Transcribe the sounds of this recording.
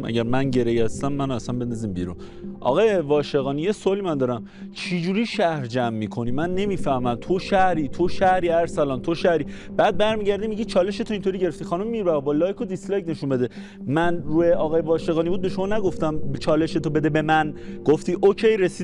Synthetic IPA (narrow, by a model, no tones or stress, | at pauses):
mʔæ̰ɟæɾmænɟe̞ɾejæst̪æmːænoæsænbe̞nd̪ɒziːmbḭɾṵn | ʔɒ̰ɣɒːjevɒːʃeɣɒːnije̞soɒlimænd̪ɒːɾæm | t͡ʃʰid͡ʒuːɾiːʃæhɾd͡ʒæmːiːkʰo̞niːmænːe̞miːfæhmæmt̪ʰoʃæhɾiːt̪ʰoʃæhɾiːæɾsælɒːnt̪ʰo̞ʃæhɾiːb̥æːd̪̚bæɾmiːɟæɾd̪iːmiɟiːt͡ʃʰɒːle̞ʃe̞t̪ʰo̞int̪ʰo̞ɾiːɟeɾeft̪iːxɒnumːiːɾbæɣbɒːlɒːjkʰod̪ist̪lɒːjne̞ʃunbe̞d̪e̞ | mænruːheʔɒːɣɒːjevɒːʃe̞ɣɒːnibuːd̪̚beʃo̞mɒːnæɡo̞ft̪æmt͡ʃʰɒːle̞ʃet̪ʰobe̞d̪ebe̞mænɡ̥oft̪iːʔocʰejɾesiː